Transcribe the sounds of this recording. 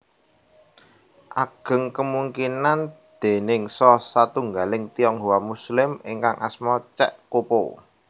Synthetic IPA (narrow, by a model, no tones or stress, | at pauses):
ʔaɡ̥ə̤ŋkəmuŋkinand̪̥e̤nɪŋsɔsat̪uŋɡalɪŋt̪ijɔŋɦowamuslɪmɪŋkaŋʔa̰smɔt͡ʃɛ̰ʔkopo